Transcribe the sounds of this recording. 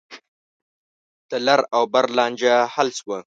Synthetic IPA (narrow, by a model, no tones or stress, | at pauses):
t̪əlaɾawbaɾlɑːnd͡ʒahalswa